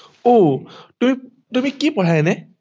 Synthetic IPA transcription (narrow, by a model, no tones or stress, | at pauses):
otumi | tumikipɔɹʰajnɛ